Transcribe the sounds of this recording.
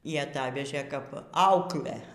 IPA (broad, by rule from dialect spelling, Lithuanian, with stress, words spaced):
iː ɐˈtɑːʋʲɛʒʲeː ˈkɐp ˈɐʊklʲæː